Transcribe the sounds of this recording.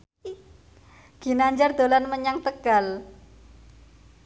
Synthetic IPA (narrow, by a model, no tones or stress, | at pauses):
ɡ̥i̤naɲd͡ʒard̪̥o̤lanməɲaŋt̪əɡ̥a̤l